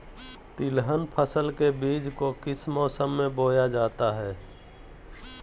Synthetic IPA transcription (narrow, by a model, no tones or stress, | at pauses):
t̪ɪlɦənpʰəsəlkebiːd͡ʒkokɪsmɔːsəmːẽboːjad͡ʒaːt̪aɦɛː